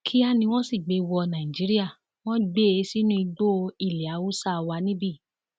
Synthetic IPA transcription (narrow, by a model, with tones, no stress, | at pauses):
kʰi˦a˦˨nĩ˧w̃ɔ̃˦si˦˨ɡ͡be˧wɔ˧nã˨ĩ˨d͡ʒi˨˦ɾi˦a˦˨ | w̃ɔ̃˦ɡ͡be˦˨˦si˦nũ˦i˧ɡ͡bo˦˧i˦˨li˨a˨˦wu˦sa˦˧wa˧nĩ˦bi˦˨